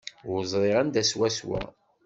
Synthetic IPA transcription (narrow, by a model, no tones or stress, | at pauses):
zˤɾˤeʁænd̪æswæswæ̰